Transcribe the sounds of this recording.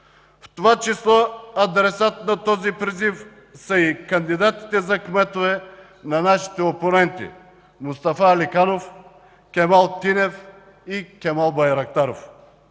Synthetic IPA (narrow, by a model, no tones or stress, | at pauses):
ft̪ovat͡ʃislˠɔɐd̪ɾɛsat̪nɐt̪ɔzipɾizif | sɐikɐnd̪id̪at̪i̥t̪ɛzɐkmɛt̪ovɛ | nɐnaʃi̥t̪ɛoponɛnt̪ḭ | mʊst̪afalikanof | kʲɛmalˠt̪inɛf | ikʲɛmalˠbɐjɾɐk̚t̪aɾo̰f